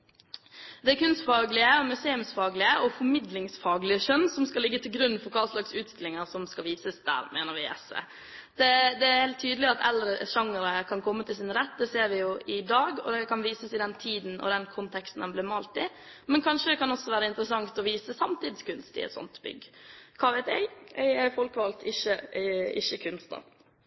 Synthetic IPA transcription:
d̪ɛkʉnst̪fɑːɡlɪəɔmʉseːʉmsfɑːɡlɪəʔɔfɔɾmɪd̪lɪŋsfɑːɡlɪəʃœnːsɔmskɑlɪɡːət̪ʰɪlɡɾʉnːfɔɾkʰɑːslɑksʉːt̪st̪ɪlːɪŋəɾsɔmskɑlʋiːsəsd̪æ̰ːɾmeːnəɾʋɪɛ̰sɛ̰ | d̪̥ɛd̪ɛæɾheːlt̪ʰːyːd̪lɪɑt̪ɛld̪ɾəʃɑŋəɾəkʰɑnkʰɔmːət̪ʰɪlsɪnɾɛt̪ːd̪ɛseːɾʋɪjʊɪd̪ɑːɡɔ̰d̪ɛkʰɑnʋiːsəsɪd̪ɛnt̪ʰiːd̪n̩ʔɔ̰d̪ɛnkʰɔnt̪ʰɛkst̪n̩d̪ɛnblɪɾmɑlt̪ɪ | mɛnkʰɑnʂəd̪ɛkʰɑnɔsːɔʋæːɾəɪnt̪əɾəsɑŋt̪ɔʋiːsəsɑmt̪iːd̪skʉnst̪ɪ̰ɛ̰t̪sɔ̰nt̪bʏ̰ɡːəkʰɑːʋæɪt̪æ̰ɪɛɪɛfɔlkəʋɑːlt̪ʰɪçːəɪ̰çːəkʰʉnst̪̚d̪ɑ̰

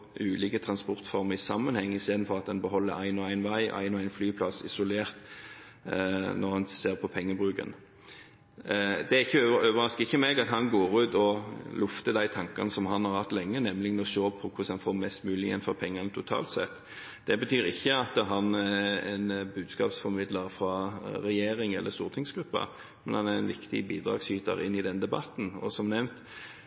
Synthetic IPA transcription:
ʔʉːliːkət̪ʰɾɑnspɔɾt̪fɔɾməɾɪsɑmːənhɛŋːɪst̪eːd̪n̩fɔɾɑt̪̚d̪ɛnbəɦɔlːəɾæɪnɔæɪnʋæɪʔɔ̰ʔæ̰ɪnɔæɪnflyːpʰlɑsɪ̰sʊleːʁt̪ | nɔʁhɑnseːʁpʰɔpʰɛŋːəbʁʉːkə̰n | d̪ɛæɾɪçːəøøːʋəɾʁɑskəɪçːəmeːɡɑt̪hɑnɡoːɾʉːt̪ɔlʔʊft̪əd̪æɪt̪ʰɑŋkɑnəsɔmɦɑnhɑɾhɑt̪ːlɛŋːənɛmlɪɡənɔʃoːpʰɔkʰʊsɑnfoːɾmɛst̪mʉːlɪɛ̰nfɔɾpʰɛŋːɑnt̪ʰʊt̪ʰɑ̰ːlt̪sɛ̰t̪ː | d̪̥ɛbət̪ʰyːɾɪçːəɑt̪əɦɑnæɛnbʉːd̪skɑ̰ːpsfɔɾmɪd̪ləɾfɾɑɾɛjeːɾɪŋɛ̰lːʔəɾst̪uːɾt̪ʰɪŋsɡɾʉpːə̰ | mɛnhɑnæʁɛnʋɪkt̪ɪ̰biːd̪ɾɑ̰ːɡsyːt̪ə̰ɾɪ̰nːɪd̪ɛnd̪ɛbɑ̰t̪n̩ɔ̰sɔmnɛmt̪

